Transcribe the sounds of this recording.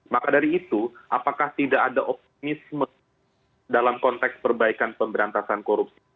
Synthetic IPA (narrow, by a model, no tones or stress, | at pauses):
makadaɾiːt̪uʔapakaht̪idakadaʔɔp̚t̪imismə | dalamkɔnt̪ɛkspərbaikanpəmbəɾant̪asankoɾup̚si